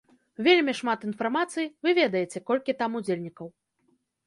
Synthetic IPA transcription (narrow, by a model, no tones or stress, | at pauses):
vʲelʲmʲiʂmat̪infarmat̪sɨjivɨvʲɛd̪ɐjet͡sʲɛkɔlʲkʲit̪amud͡zʲelʲnʲikɐw